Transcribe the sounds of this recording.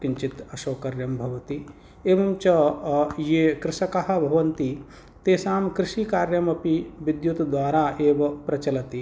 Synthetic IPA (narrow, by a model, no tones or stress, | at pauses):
kiɲt͡ʃit̪ɐʃoːkɐɾjɐmbʱɐʋɐt̪i | eːʋɐmt͡ʃɐjekɾɪʃɐkɐɦɐ̆bʱɐʋɐnt̪i | t̪eːsaːmkɾɪʃiːkaːɾjɐmɐpiʋid̪jut̪d̪ʋaːɾaːʔeːʋɐpɾɐt͡ʃɐlɐt̪i